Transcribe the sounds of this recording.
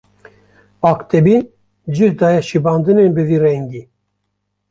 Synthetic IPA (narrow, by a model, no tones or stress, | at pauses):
ɑːkt̪ɛbi | d͡ʒiɾd̪ɑːjɛʃibɑːnd̪ɨnenbɨviːrɛŋɡiː